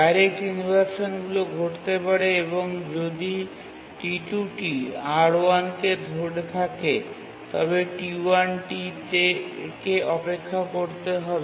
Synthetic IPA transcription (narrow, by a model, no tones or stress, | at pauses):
ajɾekʈinibʱaɾʃonɡuloɡʱoʈt̪epaɾeeβoŋd͡ʑod̪i | ʈiʈuʈiaɽoanked̪ʱoɽt̪ʰake | t̪ɔ̰beʈiuanʈitekeʔɔpekʰːakoɾt̪eɦɔbe